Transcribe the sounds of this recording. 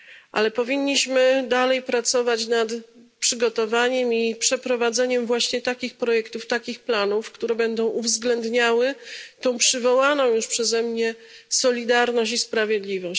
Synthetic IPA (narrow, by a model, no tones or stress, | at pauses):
ʔa̰lɛpɔvʲiɲːiɕmɘd̪alɛjpɾat̪sɔvat͡ɕnat̪pʂɘɡɔt̪ɔvaɲɛmipʂɛpɾɔvad̪zɛɲɛmvwaɕɲɛt̪akʲixpɾɔjɛkt̪uft̪akʲixplanufkt̪uɾɛbɛnd̪ɔ̃w̃ʔuvzɡlɛnd̪ɲawɘt̪ɔ̃w̃pʂɘvɔwanɔ̃w̃juʂpʂɛzɛmɲɛsɔlʲid̪aɾnɔɕt͡ɕispɾavʲjɛd̪lʲivɔɕ